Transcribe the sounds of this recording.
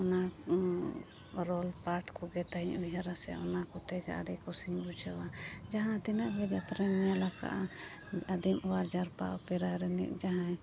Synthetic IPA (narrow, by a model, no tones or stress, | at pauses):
ɔna | ɾɔlpaɾʈkɔɡɛt̪aiɲuɦaɾasɛ̰ɔ̰nakɔt̪ɛɡa̰ʔa̰ɽɛkɔsiɲbut͡ʃawad͡ʒaɦãt̪ɛnaʔbɛd͡ʒat̪ɾaɲjalaka̰ʔ | ad̪imɔwaɾd͡ʒaɾpa̰ʔɔpɛɾaɾɛnɛ̰ʔd͡ʒaɦã